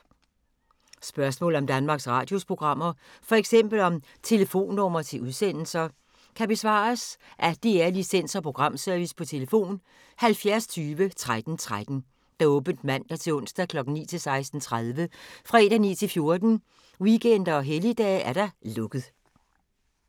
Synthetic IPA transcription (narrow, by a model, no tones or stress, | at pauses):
sb̥ɶɐsmɔ̰̽ːl̩ɒ̽md̥ænmɑ̈ːɡ̥sʁɑ̰̈ːd̥jo̝spʰʁo̝ɡ̥ʁɑ̈m̰ɐfɒ̽eɡ̥sem̰b̥l̩ɒ̽m | t͡sʰe̝ləfo̝̰ːnːɒmɐt͡sʰe̝lʔuðˠsen̰l̩sɐ | kʰæb̥e̝sʋɑ̰̈ːsʔæd̥eeɐlisen̰sɒ̽pʰʁo̝ɡ̥ʁɑ̈m̰sœɐʋispʰɒ̽t͡sʰe̝ləfo̝̰ːn | hælfjæɐst͡sʰyːʋət͡sʰʁad̥n̩t͡sʰʁad̥n̩ | d̥ɑ̈ɔ̽ːb̥n̩d̥mæn̰d̥ɑ̈t͡sʰe̝ɔ̽n̰sd̥ækʰlɒ̽ɡ̥n̩nḭːt͡sʰe̝lsɑ̈ɪsd̥n̩t͡sʰʁaðˠʋəfʁɑed̥ænḭːt͡sʰe̝lfjo̝ɐd̥n̩ | wiɡ̥en̰d̥ɐɒ̽ɦelid̥ɛ̰ːʔæɐɾ̥ɑlɔ̽ɡ̥ð̞ˠ